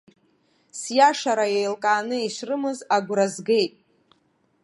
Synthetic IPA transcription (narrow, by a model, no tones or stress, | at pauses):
sjaʂaɾajejlkʼaːnɨiʃʷrɨmɨzaɡʷrɾazɡe̞jtʼ